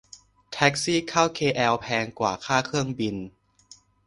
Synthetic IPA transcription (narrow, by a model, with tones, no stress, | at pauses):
t̪ʰɛ˦˥k̚siː˥˩kʰaː˥˩wkʰeː˧ʔɛː˧wpʰɛː˧ŋkwa̰ː˨˩kʰaː˥˩kʰɯ˥˩əŋbi˧n